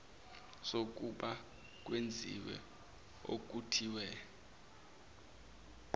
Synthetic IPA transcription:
sok̬ʼuɓa | k̬wend͡zʱḭwɛ̰ | o̰k̬ʼutʰiwɛ

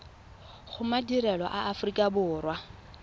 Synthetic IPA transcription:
χʊmadiɾɛlɔ̰ʔaʔafʊrikʼabʊːrwa

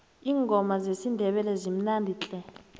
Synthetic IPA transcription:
iːŋɡʱɔmazesindʱɛɓɛlɛzim̩nandʱit͡ɬʼɛ

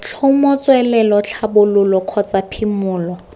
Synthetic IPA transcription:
t͡ɬʰʊmɔt͡sʼwɛlɛlɔt͡ɬʰabʊlʊlɔkʰɔt͡sʼapʰimʊːlɔ

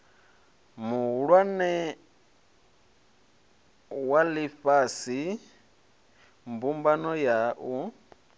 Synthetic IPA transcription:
muɺwanɛ | walifasi | mbumbanɔjaʔu

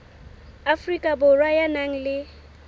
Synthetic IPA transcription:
afrikʼabʊrwajanaŋ̩lɪ

